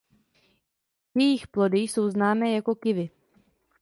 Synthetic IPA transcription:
jɛjixplo̞dɪso̞wznaːmɛːjako̞kɪvɪ

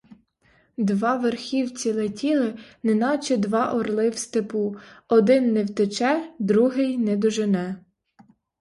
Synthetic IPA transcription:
d̪ʋɑʋerxʲiwt͡sʲilˠetʲilˠɪnenɑt͡ʃɪd̪ʋɑʔɔrlˠɪwst̪epuɔd̪ɪnːɛwt̪et͡ʃɛd̪ɾuɦɪjnɛd̪ɔʒɪnɛ

